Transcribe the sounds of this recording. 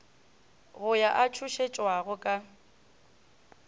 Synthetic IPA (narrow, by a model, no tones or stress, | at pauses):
ɣʊjaʔat͡ʃʰuʃet͡ʃʼwaɣʊkʼa